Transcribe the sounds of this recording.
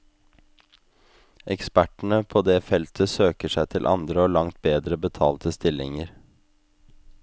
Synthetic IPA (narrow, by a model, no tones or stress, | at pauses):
ʔɛkspæʈɳ̩əpʰoːd̪eːfɛlt̪ʰəsøːkəʂæɪt̪ʰɪlʔɑ̰nd̪ɾəoːlɑŋt̪̚beːd̪ɾəbət̪ʰɑ̰ːlt̪ʰəst̪ɪlɪŋəɾ